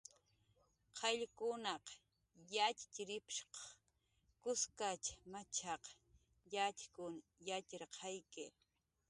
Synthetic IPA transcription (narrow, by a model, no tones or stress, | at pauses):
qʰɑʎkʊnɑq | jat͡ʃt͡ʃɪɾɪpʃqɑ̥ | kʊskat͡ʃmat͡ʃɑq | jat͡ʃkʊŋjat͡ʃɪɾqʰɑjkɪ